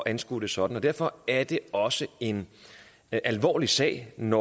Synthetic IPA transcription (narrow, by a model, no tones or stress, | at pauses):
ʔænsɡ̥ṵd̥əsɒ̽d̥n̩ɒ̽d̥æɐ̰fɒ̽æɐd̥e̝ɒ̽səe̝n | ʔælʋɒ̰ːlisɛ̰ːɪnɒ